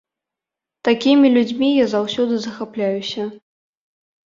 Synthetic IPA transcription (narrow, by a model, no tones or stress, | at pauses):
t̪akʲimʲilʲud͡zʲmʲijazawsʲɔd̪ɨzɐxaplʲajusʲɐ